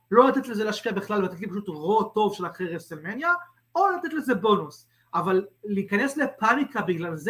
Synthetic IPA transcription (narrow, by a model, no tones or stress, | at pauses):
lo̞lat̪et̪lezeleaʃkiabiχlalat̪etlipaʃ̬ut̪ʁo̞to̞vʃe̞laχeʁevselmenja | o̞lat̪et̪le̞zebo̞nus | ʔavalːiːkanesle̞panikabiɡlalz